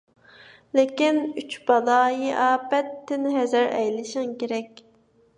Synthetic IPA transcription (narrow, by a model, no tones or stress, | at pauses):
lekʲinyt͡ʃb̥ɑlˠɑːjiʔɑːbɛt̪ʰːɪnɦɛzæɾɛ̰jlɪʃɪŋkʲeɾɛk̚ʲ